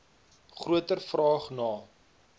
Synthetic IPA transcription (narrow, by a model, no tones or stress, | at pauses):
χruətərfrɑːχnɑː